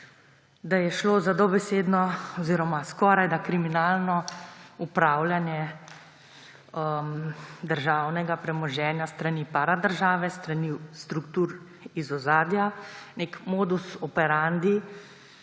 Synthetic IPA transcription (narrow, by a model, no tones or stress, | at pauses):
d̪ajɛʃloːzad̪obɛseːd̪nɔɔziːɾɔmaskɔːɾajd̪akɾiminaːlnɔupɾaːwljanjɛ | əmd̪əɾʒawnɛɡapɾɛmɔʒɛːnjast̪ɾaniːpaɾad̪əɾʒaːʋɛst̪ɾanist̪ɾukt̪uːɾ | izɔzaːd̪janekmoːd̪usɔpɛɾand̪i